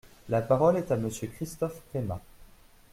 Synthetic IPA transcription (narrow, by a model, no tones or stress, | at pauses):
lapaʁɔlɛt̪aməsjøkχist̪ɔfʁema